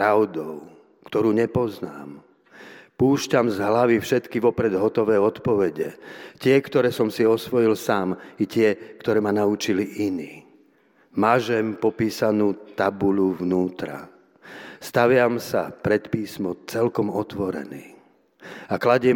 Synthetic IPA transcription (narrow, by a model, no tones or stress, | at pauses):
ɾaʊd̪ɔʊ | kt̪ɔɾuːɲɛpɔznaːm | puːʃcamzɦlaʋifʃɛt̪kiʋɔpɾɛd̪ɦɔt̪ɔʋɛːɔt̪pɔʋɛɟɛ̰cɪɛkt̪ɔɾɛːsɔmsiɔsʋɔjilsaːmicɪɛkt̪ɔɾɛːmanaut͡ʃiliʔiniː | maʒɛmpɔpiːsanuːt̪abuluʋnuːt̪ɾa̰ | st̪aʋɪamsa̰pɾɛt̪piːsmɔt͡sɛlkɔmɔt̪ʋɔɾɛ̰niː | aklaɟɛ